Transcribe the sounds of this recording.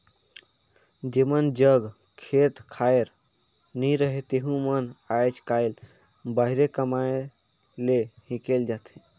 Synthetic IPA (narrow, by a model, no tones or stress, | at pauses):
d͡ʒemənd͡ʒəɡ | kʰet̪kʰajɾ | niɾəɦet̪eɦũmənajd͡ʒkaɪl | baɦiɾekəmae | lehĩkeld͡ʒat̪ʰi